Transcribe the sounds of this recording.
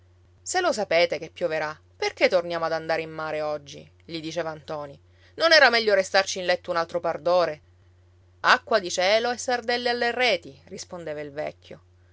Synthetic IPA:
selos̬apeːt̪ek̟epːjoveɾa | perket̪ːornjaːmoad̪and̪aːɾeimːaːɾeɔd͡ʒːḭ | ʎid̪it͡ʃɛːvant̪ɔːni | nonɛːɾamɛʎːoɾest̪art͡ʃinlɛt̪ːounalt̪ɾopard̪oːɾe | akːwad̪it͡ʃɛːloesːard̪ɛlːealːerɛːt̪irispond̪eːvailvɛ̰kʰʲːjo̰

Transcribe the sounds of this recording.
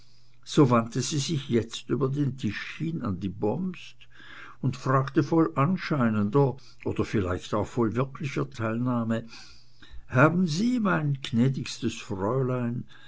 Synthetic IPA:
z̥oːvantəziːzɪçjɛt͡styːbɐdeːntʰɪʃhɪna̰ndiːbɔmst | ʊntfʁ̥aːktəfɔlʔanʃaɪnəndɐ | ʔoːd̥ɐfɪla̰ɪçtaʊxfɔlvɪɐkʰlɪçɐtʰaɪlnaːmə | haːbn̩ziːmaɪnknɛːdɪçstəsfʁɔʏlaɪn

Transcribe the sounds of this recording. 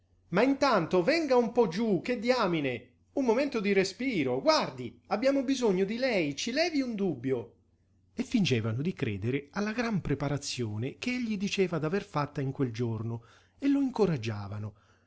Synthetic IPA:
maint̪ant̪ovɛŋɡaumpɔd͡ʒːukːed̪ːjaːmine | umːoment̪od̪iɾespiːɾoɡward̪iabːjaːmʊbizoɲːod̪ilɛjt͡ʃilɛːviund̪ubːjo | efːind͡ʒɛːvanʊd̪ikɾɛ̰ːd̪eɾealːaɡɾampɾepaɾat̪sːjoːnek̟eeʎːid̪it͡ʃɛːvad̪averfat̪ːaiŋkweld͡ʒorno | elːoiŋkʊɾad͡ʒːaːvanʊ

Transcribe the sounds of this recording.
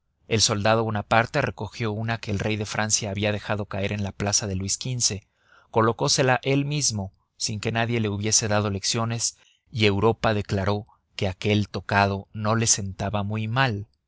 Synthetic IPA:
e̞lso̞ld̪að̞oβunapaɾt̪e̞re̞ko̞xjo̞unake̞ːlre̞jðe̞fɾʔansjaːβiaðe̞xaðo̞kae̞ɾe̞nlaplasaðe̞lwiskinse̞ | ko̞lo̞ko̞se̞laʔe̞lmizmo̞ | siŋke̞naðje̞le̞uβje̞se̞ðað̞o̞le̞ksjo̞ne̞s | ie̞wɾo̞paðe̞klaɾo̞ | ke̞ake̞lt̪o̞kað̞o̞no̞le̞se̞nt̪aβamujmal

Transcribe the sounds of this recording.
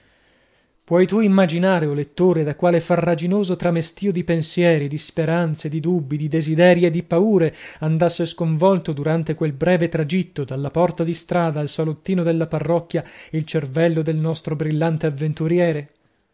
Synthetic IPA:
pwɔjt̪uimːad͡ʒinaːɾeolet̪ːoːɾed̪akwaːlefarːad͡ʒinoːzot̪ɾamest̪iːod̪ipensjɛːɾid̪ispeɾant̪sed̪id̪ubːid̪id̪ezid̪ɛːɾjed̪ːipauːɾeand̪asːeskoɱvɔlt̪od̪uɾant̪ekwelbɾɛːvet̪ɾad͡ʒit̪ːod̪alːapɔrt̪ad̪ist̪ɾaːd̪aːlsalot̪ːiːnod̪elːaparːɔkːjailt͡ʃervɛlːod̪elnɔst̪ɾobɾilːant̪eavːent̪uɾjɛːɾe

